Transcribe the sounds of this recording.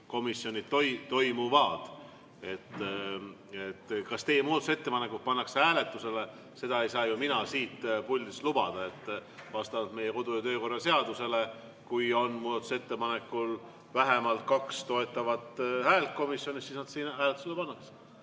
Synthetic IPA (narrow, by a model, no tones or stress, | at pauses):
ko̞misːjo̞nʲit̪t̪o̞jt̪o̞jmuvɑːd̪̥ | e̞t̪ːˑ | et̪ːkɑst̪e̞jemuːd̪ɑt̪use̞t̪ːe̞pɑne̞kːut̪̚pɑnːɑksæːle̞t̪ːˑuse̞le̞ | se̞d̪ɑe̞jsɑːjuminɑsiːt̪pulʲːislub̥ɑd̪̥ɑe̞t̪ːˑvɑst̪ɑvɑd̪me̞jeko̞d̪ujɑt̪øːko̞rːɑse̞ɑd̪use̞le̞ | kujo̞nmuːd̪̥ɑt̪ːˑu̥set̪ːe̞pɑne̞kːˑul | væɦe̞mɑlt̪̚kɑkst̪o̞e̞t̪ːˑɑvɑt̪hæːlt̪̚ko̞misjo̞nʲist̪siːsnɑd̪siːnæːlet̪ːˑu̥selːepɑnːɑks